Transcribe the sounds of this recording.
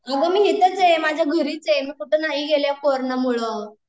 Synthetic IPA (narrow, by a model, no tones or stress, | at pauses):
aɡamiːɦet̪ət͡semad͡ʑʱjaɡʱəɾiːt͡semiːkuʈenaɦiɡeljakoɾnəmuɭə